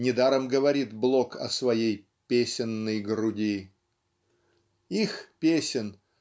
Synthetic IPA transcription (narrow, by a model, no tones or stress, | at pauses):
nʲɪd̪aɾəmɡəvɐɾʲit̪blˠokɐ̰svɐjej | pʲesʲɪnːəjɡɾʊdʲi | ixpʲesʲɪn